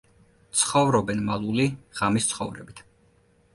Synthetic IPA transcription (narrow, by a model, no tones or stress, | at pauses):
t̪sʰχɔvɾɔbɛnmalˠuliʁ̥amist̪sʰχɔvɾɛ̰bit̪ʰ